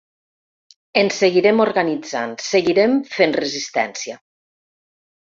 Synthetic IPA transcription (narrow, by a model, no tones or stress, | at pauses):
enseɣiɾemoɾɣanid͡za̰nseɣiɾemfenrəzist̪ɛ̰nsia